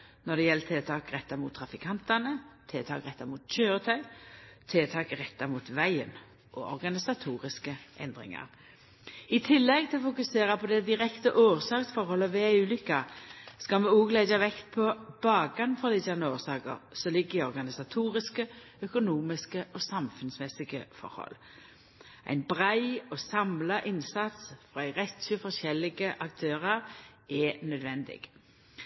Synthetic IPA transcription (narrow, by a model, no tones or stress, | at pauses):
nɔd̪ɛjɛlt̪ʰeːt̪ʰɑːkɾɛt̪ːɑmuːt̪ʰːɾɑfɪkʰɑnt̪ɑnət̪ʰeːt̪ʰɑ̰ːkʁɛt̪ːɑmuːt̪ɕøːɾət̪ʰœʏt̪ʰeːt̪ʰɑːkʁɛt̪ːɑmuːt̪ʋæɪə̰n | ʔɔ̰ʔɔɾɡɑnɪsɑt̪ʰuːʁɪskəʔɛnd̪ʁɪ̰ŋɑ̰ʁ | ɪt̪ʰɪlːɛɡt̪ʰɪlɔfʊkʉseːʁɑpʰɔd̪ɛd̪ɪɾɛkt̪əʔoːʁsɑːksfɔɾhɔlːəʋɛʉːlʏkːɑskɑlmɛuːɡlæɪdɑʋɛkt̪̚pʰɔb̥ɑːɡɑnfɔʁlɪsɑnəoːʁsɑːkə̰ʁsɔlɪɡːɪɔʁɡɑnɪsɑt̪ʰuːʁɪskə | œkʊnuːmɪskəʔɔsɑmfʉnsmɛsɪɡə̰fɔ̰ɾhɔ̰l | ʔæ̰ɪnbʁæɪɔsɑmlɑʔɪnsɑt̪sfɾʁɑæɪʁɛt̪ʃəfɔʁʃɛlɪɡəʔɑk̚t̪ʰøːʁɑʁʔɛnœd̪ʋɛnd̪ɪ̰ɡ̥